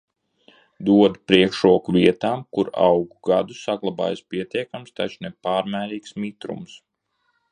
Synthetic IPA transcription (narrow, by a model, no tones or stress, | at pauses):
d̪uɔd̪pɾiɛkʃɾuɔkuvʲiɛt̪aːmkuɾa̰wɡuɡad̪usaɡlˠaba̰ːjspiɛt̪ʲiɛkamst̪at͡ʃnepaːɾmæːɾiːksmit̪ɾṵms